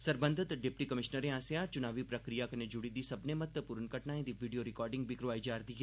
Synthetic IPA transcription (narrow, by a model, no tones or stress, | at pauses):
sɐɾbə̃nd̪ʱət̪ɖɪpʈikɐmɪʃnəɾẽãːsejat͡ʃʊnaːʋipɾɐkɾijakɐned͡ʒʊɽid̪isɐbnemɐt̪əpuːɾənkəʈnaːẽd̪iʋiːɖijoɾɪkɔːɾɖɪ̃ŋɡ̚bʱikɾʋaːid͡ʒaːɾd̪iːɦɛː